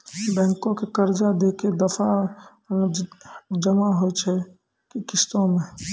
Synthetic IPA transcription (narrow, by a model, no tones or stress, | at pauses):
bɛ̃ːŋkõkekəɾd͡ʒad̪eːked̪əfa | d͡ʒəmaɦojt͡ʃʰɛ | kikɪst̪õmẽ